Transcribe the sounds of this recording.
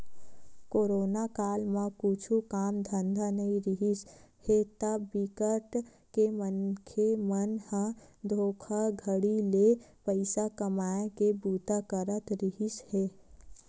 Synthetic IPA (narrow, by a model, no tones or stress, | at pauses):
koɾonakalmekut͡ʃʰukamd̪ʱənd̪ʱanəiɾiɦishet̪əbikəʈ | kemənkʰemənhə̃d̪ʱokʰəɡʱəɽilepəɪsakəmaekebut̪akəɾət̪ɾiɦishe